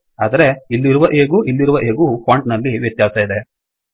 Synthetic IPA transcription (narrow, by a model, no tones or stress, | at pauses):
aːd̪ɐɾe̞ilːiɾuʋɐʔeːɡuːʔilːiɾuʋɐʔe̞ːɡuːpʰaːɳʈnɐlːiʋjɐt̪jaːsɐid̪e